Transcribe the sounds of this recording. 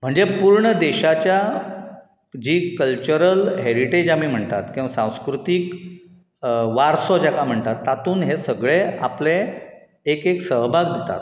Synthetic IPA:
m̤əɳd͡zepuɾɳəd̪eɕat͡ɕja | d͡ʑiːkəlt͡ɕuɾəlɦeɾiʈed͡ʑamiːm̤əɳt̪at̪kĩw̃ʋasãw̃skɾut̪iːk | ʋaɾsɔd͡ʑakam̤əɳt̪at̪ːat̪uːnɦesəɡɭeapleː | keksəɦbʱaɡd̪ʱet̪a̰t̪

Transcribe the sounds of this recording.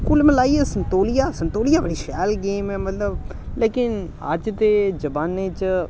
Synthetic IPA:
kulmɛ̃laːiesənt̪oːlijaːsənt̪oːlijaːbəɽiːʃɛːlɡeːmɛːmət̪ləb | leːkɪn | ə̰d͡ʒt̪ed͡ʒəbaːnet͡ʃ

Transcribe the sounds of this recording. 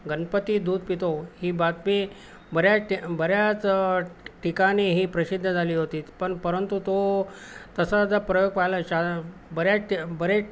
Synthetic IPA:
ɡənpət̪iːd̪uːd̪̚ʱpit̪ohiːbat̪me | bəɾjaʈbəɾjat͡s | ʈikaneɦiːpɾəɕid̪ʱːəd͡zʱaliːɦot̪iːt̪pəɳpəɾənt̪ut̪o | t̪əsad͡z̪əpɾəjoɡ̚pajləɕabəɾjaʈbəɾe

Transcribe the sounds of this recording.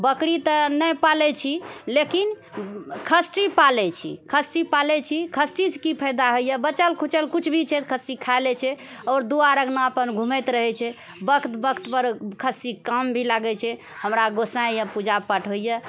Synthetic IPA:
bəkɽit̪ənəjpalɛt͡ʃʰilekin | kʰəsːipalɛt͡ʃʰḭkʰəsːipalɛt͡ʃʰikʰəsiskipʰəjd̪aɦojəbət͡ʃəlkʰut͡ʃəlkut͡ʃʰbʱit͡ʃʰɛt̪kʰəsikʰajlɛt͡ʃʰɛɔɾd̪uaɾəɡnaəpənɡʱumɛt̪ɾəɦɛt͡ʃʰɛ | bəkʰt̪bəkt̪pəɾkʰəsikambʱilaɡɛt͡ʃʰɛ | həmɾaɡosãjjapud͡ʒapəʈʰɦojə

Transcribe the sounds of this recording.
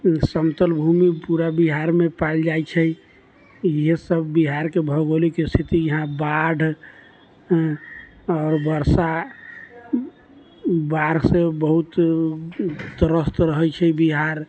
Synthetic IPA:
səmt̪əlbʱumipuɾabiɦaɾmepald͡ʒajt͡ʃʰɛ | jesəbːiɦaɾkebʱəɡolikest̪ʰit̪ijəɦãbaɖʱ | ɔːɾbəɾsa | baɾsebəɦut̪ | t̪əɾəst̪ɾəɦət͡ʃʰɛbiɦaɾ

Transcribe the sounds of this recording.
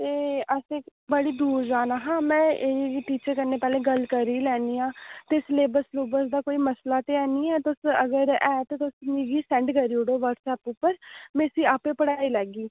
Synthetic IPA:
t̪eːəsebəɽiːd̪uːɾd͡ʒaːnaːɦãːmɛ̃ːeiiʈiːt͡ʃəɾkəɾneːpɛːleːɡəlkəɾiːlɛːniːãːt̪esleːbəɾsluːbəɾsd̪aːkoːiːməslaːt̪eːɛːniːɛːt̪ʊsəɡəɾɛːt̪ːt̪ʊsniɡiːsɛ̃ːɳɖkəɾiːʊɽoːʋəɾʈsɛːpʊpːəɾmesiːaːpẽːpəɽaːiːlɛːɡiː

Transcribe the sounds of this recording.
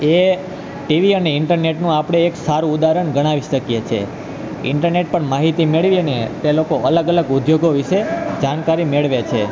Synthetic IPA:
e | ʈiʋiəneɪɳʈəɾneʈnũapɽ̃eːksaɾũud̪aɾəɳɡəɽ̃aʋiʃəkjet͡ʃʰḛ | ɪ̰ɳʈəɾneʈ̚pəɳmaɦit̪imeɭʋiənet̪elokoʔələɡələɡʊd̪joɡoʋiʃed͡ʒankaɾimeɭʋet͡ʃʰe

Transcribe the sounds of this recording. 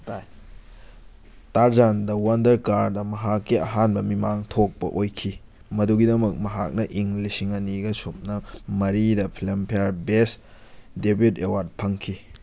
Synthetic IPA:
taj | taɾzandɐwɐndɐɾkaɾdɐmɐɦakːiɐ̰ɦanbɐmimaŋtʰok̚pɐ̰ʔojkʰi | mɐduɡidɐmɐk̚mɐɦak̚nɐʔiŋlisiŋɐniɡɐsup̚nɐmɐɾidɐpʰlempʰijaɾbesdebjutewaɾd̚pʰɐŋkʰi

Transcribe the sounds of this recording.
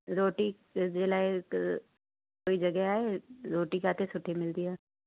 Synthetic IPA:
ɾoːʈi | d͡ʒelaːe | koːid͡ʒɐɡɛɦaːeɾoːʈikaːt̪esʊʈʰːimɪld̪iaː

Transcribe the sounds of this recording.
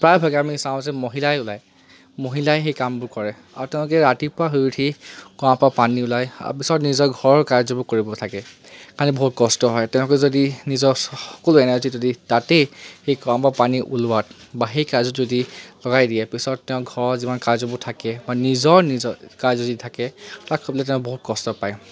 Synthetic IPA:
pɹajbʱaɡɛamisãʊ̃zɛmoɦilajʊlaj | moɦilajxejkambʊɹkɔɹɛ | a̰ɹutɛ̃ʊ̃lʊkɛɹatipɹaɦujutʰikɔãpapaniʊlaja̰pisɔtnizɔɹɡʱɔɹɔɹkajzɔbʊkoɹibɔtʰakɛ | kaɹnɛbɔɦut̚kɔstɔɦɔjtɛ̃ʊ̃lʊkɛzodinizɔɔ̥kɔluɛnaɹzizoditatexejkɔãpapaniʔulʊat̚baxejkazɔtzodilɔɡajdiɛpisɔttɛʊ̃ɡʱɔɹɔɹzimankazɔbutʰakɛbanizɔɹnizɔkajzoditʰakɛakʰɔblɛtɛ̃ʊ̃bɔɦut̚kɔstɔpaj

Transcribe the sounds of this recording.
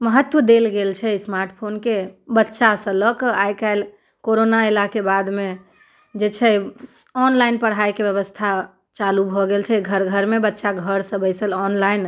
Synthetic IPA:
məɦət̪ːwəd̪elɡelt͡ʃʰɛismaɾʈpʰonkebətːʃasə̃lɔkajkaɪl | koɾonaelakebad̪me | d͡ʒet͡ʃʰɛɔnlajnpəɽ̤ɦajkebjəβəst̪ʰa | t͡ʃalubʱɔɡelt͡ʃʰɛɡʱəɾɡʱəɾmebətːʃaɡʱəɾsə̃bəjsəlɔnlaɪn

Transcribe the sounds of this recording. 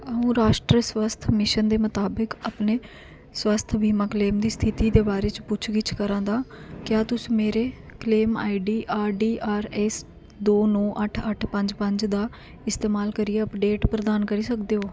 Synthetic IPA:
əũːɾaːʃʈɾəswəst̪ʰmɪʃənd̪eːmət̪aːbəkəpneː | swəst̪ʰbʱiːmãːkleːmd̪iːst̪ʰɪt̪iːd̪eːbaːɾeːt͡ʃpʊt͡ʃʰɡɪt͡ʃʰkəɾãːd̪aːkjaːt̪ʊsiːmeːɾeːkleːma̰ːiɖiːʔaːɾɖiːʔaːɾɛs | d̪oːnɔːʔəʈʰəʈʰpəɲd͡ʒpəɲd͡ʒd̪aː | ɪst̪eːmaːlkəɾiːeəpɖeːʈpɾəd̪aːnkəɾiːsəkd̪eːɦoː

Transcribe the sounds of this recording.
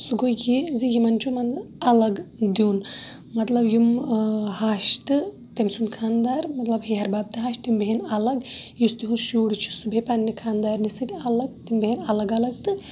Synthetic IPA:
suɡojizijimɐnt͡ʃʰumɐnɐlɐɡd̪juːn | mɐt̪lɐbjimhaːʃt̪ɨ | t̪emsunkʰaːnd̪aːɾmɐt̪lɐbɦeɦɐɾbaːb̚t̪ɨɦaːʃt̪imbeɦenɐlɐɡjust̪iɦunʃuːɽit͡ʃʰu̥subʱepɐnːikʰaːnd̪aːɾʲnisɨt̪ʲɐlɐɡt̪imbeɦenɐlɐɡɐlɐɡt̪ɨ

